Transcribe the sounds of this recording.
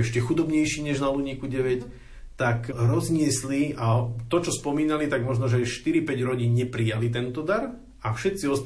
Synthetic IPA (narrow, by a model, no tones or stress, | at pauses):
ɛʃcɛxud̪ɔbɲɛjʃiːɲɛʒnaluɲikuɟɛʋɛc | t̪akɾɔzɲɪɛsliat̪ɔt͡ʃɔspɔmiːnalit̪aɡmɔʒnɔʒɛajʃt̪iɾipɛɟɾɔɟiːɲɲɛpɾijalit̪ɛnt̪ɔd̪aɾ | afʃɛt̪̚siɔs